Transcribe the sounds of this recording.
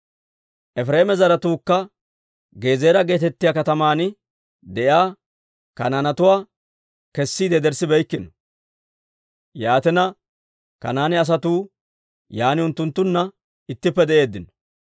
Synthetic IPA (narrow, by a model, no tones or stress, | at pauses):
ʔɛfɾe̞ːmɛzɐɾɐt̪uːkːɐ | ɡe̞ːzeːɾɐɡe̞ːt̪ɛt̪ːɪjakɐt̪ɐmaːn | d̪ɛʔjaː | kɐ̰nanɐt̪ʊwaː | kɛsːiːd̪ɛd̪ɛɾsɪbɛjkːɪnɔ | jaːt̪ɛnɐ | kɐ̰naːnɪɐs̬ɐt̪uː | jaːnɪʊnt̪ːʊnt̪ːʊnːɐ | ɪt̪ːɪpːɛd̪ɛʔe̞ːd̪ːɪnɔ̥